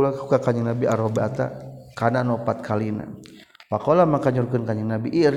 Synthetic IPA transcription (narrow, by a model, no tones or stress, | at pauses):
lakukakaɲiŋnabiaɾɔbɛat̪a̰kananɔpat̪̚kʰalina̰ | pakɔlamakaɲurkənkaɲiŋnabiʔː